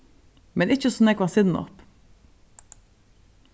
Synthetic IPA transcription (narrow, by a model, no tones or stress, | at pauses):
mɛnɪçəsɔnɛːɡʋɑːsɪd̪mɔ̰ʁp